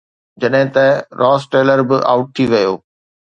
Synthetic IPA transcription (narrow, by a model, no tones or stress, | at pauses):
d͡ʑɐɗɦɪ̃t̪ɐɾʔɔːsʈeːləɾbɪʔa̰ːʊʈ̚t̪ʰiʋɐjoː